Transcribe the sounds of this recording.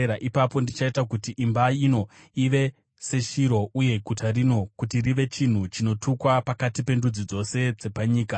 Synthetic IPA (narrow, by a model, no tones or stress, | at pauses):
aʔipapo̞ndit͡ʃaitakutiʔimbaino̞ | iʋe̞ | se̞ʃiɾo̞ʔuje̞ɡʱutaɾino̞kutiriʋe̞t͡ʃin̤ut͡ʃino̞tʰukwapakatipe̞ndud͡zid͡zo̞se̞d͡ze̞paɲiːka